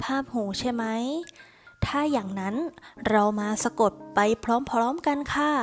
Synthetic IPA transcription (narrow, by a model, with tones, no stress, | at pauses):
pʰaː˥˩p̚huː˩˦t͡ɕʰa˥˩jma˦˥j | t̪ʰaː˥˩jaː˨˩ŋna˦˥nɾa˧wmaː˧sa˧ko˨˩t̪̚pa˧jpʰɾɔː˦˥mpʰɾɔː˦˥mka˧nkʰa˥˩